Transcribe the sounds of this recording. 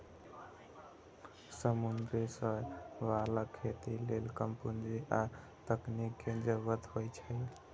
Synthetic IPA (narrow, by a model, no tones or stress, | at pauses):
səmund̪ɾesə̃ʋalakʰːet̪ilelkəmpund͡ʒiʔa | t̪əknikːed͡ʒəbət̪ɦojt͡ʃʰə